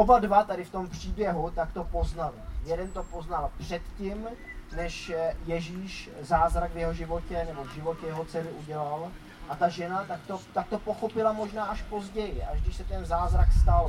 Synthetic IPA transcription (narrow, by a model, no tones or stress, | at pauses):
ʔobadvat̪adɪft̪o̞mpr̝̥iːbjɛɦut̪akt̪o̞po̞znalɪjɛdɛnt̪o̞po̞znalpr̝̥ɛt̪cɪm | nɛʃjɛʒiːʃzaːzɾaɡvjɛɦo̞ʒɪvo̞cɛnɛbo̞vʒɪvo̞cɛjɛɦo̞t͡sɛlɪʔuɟɛlal | ʔat̪aʒɛnat̪ak̚t̪ot̪ak̚t̪o̞po̞xo̞pɪlamo̞ʒnaːʔaʃpo̞zɟɛjɪʔaʒɡdɪʃsɛt̪ɛnzaːzɾakst̪al